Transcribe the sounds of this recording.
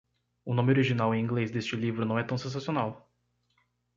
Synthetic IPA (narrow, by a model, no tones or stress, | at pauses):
ʊnõmɪoɾiʒinawẽĩɡlezd̪est͡ʃɪlivɾʊnɐ̃w̃ɛt̪ɐ̃w̃sẽs̬asionaw